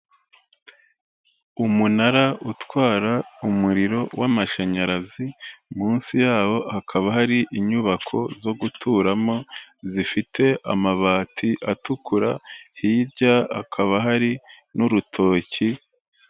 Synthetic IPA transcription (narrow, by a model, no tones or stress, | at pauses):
umunaɾautwaːɾaumuɾiɾo̞wamaʃaɲaɾazimuːnsijaːβo̞hakʰaβaɦaɾiʔiɲuβakʰo̞̰zo̞ɡutʰuːɾamo̞zifitʰe̞ʔa̰maβaːtʰiʔatukʰuɾa̰hiːɾɟaa̰kʰaβaɦaɾi | nuɾutʰo̞ːci